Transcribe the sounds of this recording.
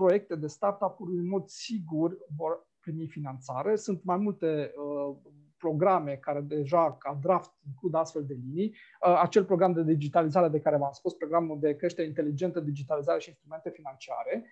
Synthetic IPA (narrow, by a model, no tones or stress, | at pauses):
pɾo̞je̞k̚t̪e̞d̪e̞st̪art̪apuɾuɨnmo̞d̪siɡurʲvo̞r | pɾimifinant̪sa̰ɾe̞sunt̪majmult̪e̞ə | pɾo̞ɡɾame̞kaɾe̞d̪e̞ʒakad̪ɾaft̪iŋklud̪ast̪feld̪e̞linijat͡ʃelpɾo̞ɡɾamd̪e̞d̪id͡ʒit̪alizaɾe̞d̪e̞kaɾevamspuspɾo̞ɡɾamuld̪e̞kɾe̞ʃt̪eeint̪e̞lid͡ʒe̞nt̪əd̪id͡ʒit̪alizaɾe̞ʃiːnst̪ɾume̞nt̪e̞finant͡ʃia̰ɾe̞